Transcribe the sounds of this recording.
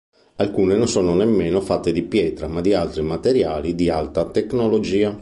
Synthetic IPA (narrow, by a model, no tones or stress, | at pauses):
alkuːnenonsɔːnonemːeːnofat̪ːed̪ipjɛːt̪ɾamad̪ialt̪ɾimat̪eɾjaːlid̪ialt̪at̪eknolod͡ʒiːa